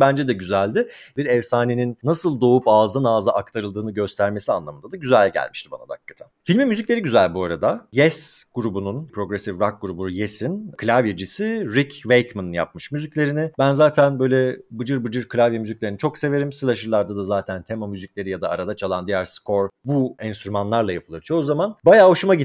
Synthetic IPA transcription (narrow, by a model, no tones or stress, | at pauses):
bænd͡ʒɛd̪ɛɟyzælʲd̪ɪbiɾɛvsaːneninːasɯlˠd̪o̞upaːzd̪anaːzaʔak̚t̪ʰaɾɯlˠd̪ɯːnɯɟø̞st̪ʰæɾme̞sianlˠamɯnd̪ad̪aɟyzælʲɟæ̰lʲmiʃt̪ʰiba̰na̰d̪a̰kːḁt̪ʰa | filʲmimːyziclʲe̞ɾiɟyzælʲbuaɾad̪ajɛsɡ̥uɾubununpʰɾo̞ɡɾesivɾak̚ɡuɾubujesinkʰlʲavjed͡ʒisiɾicvejkmanɯnja̰p̚mɯʃmyzicʲlʲe̞ɾinɪbænzaːt̪ʰænbø̞jlʲɛbɯd͡ʒɯɾbɯd͡ʒɯɾkʰɯlʲavjamyzic̚lʲe̞ɾinit͡ʃʰo̞kseve̞ɾimsɯlˠaʃɯɾlˠaɾd̪ad̪azaːt̪ʰænt̪ʰe̞mamyziclʲe̞ɾijad̪aːɾad̪at͡ʃʰalˠand̪ijæɾskʰo̞ɾbuɛnst̪ɾymanlˠaɾlˠajapʰɯlˠɯɾt͡ʃʰozamanbajaːoʃumaɟi